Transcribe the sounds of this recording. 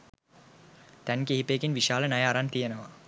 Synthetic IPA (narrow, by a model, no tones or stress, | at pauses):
t̪ɛnkeɦipekinʋiʃaːlənajaːɾant̪ijenəʋa